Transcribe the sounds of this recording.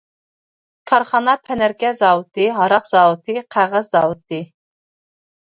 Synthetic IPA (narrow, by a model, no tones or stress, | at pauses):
kʰɑɾχɑnɑpʰɛnæɾkʲɛzɑːwɨt̪ɨɦɑɾɑqz̥ɑːwɨt̪ʰɨqʰæʁəzːɑːwɨt̪ʰːɨ